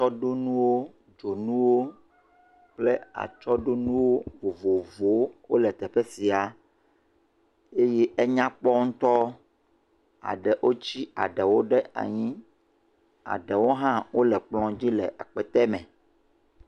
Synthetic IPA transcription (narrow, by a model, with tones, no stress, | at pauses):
t͡ʃɔ˦ɖo˦nũ˦wo˦ | d͡ʒo˨nũ˦wo˦ | k͡ple˦a̰˨t͡ʃɔ˦ɖo˦nũ˦wo˦vo˨vo˨vo˨˦wo̰˦lɛ˨t̪ɛ˨ɸe˦si˨a˨ | e˦jɛ˦ʔɛ˦ɲã˦k͡pɔ˦ŋ̩̃˦t̪ɔ˦ | a̰˨ɖɛ˨ʔo˦t͡ɕi˦a̰˨ɖɛ˨wo˦ɖɛ˦ʔa̰˨ɲĩ˦ | a̰˨ɖɛ˨wo˦ɦã˦wo˦lɛ˨k͡plɔ̃˨d͡ʑi˦lɛ̰˨ʔa̰˨k͡pɛ˨t̪ɛ˦mɛ̃˨